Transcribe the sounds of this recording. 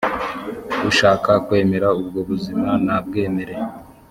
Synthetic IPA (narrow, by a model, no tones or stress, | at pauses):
ɡuʃaːkakwe̞ːme̞ɾaub̚ɡo̞βuzimanab̚ɡe̞ːme̞ɾe̞